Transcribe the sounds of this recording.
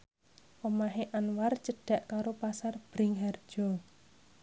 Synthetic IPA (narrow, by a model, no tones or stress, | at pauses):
ʔɔmaɦeʔanwart͡ʃəɖ̥a̤ʔkaɾopasarb̥ɾiŋɦar̥d͡ʒ̥ɔ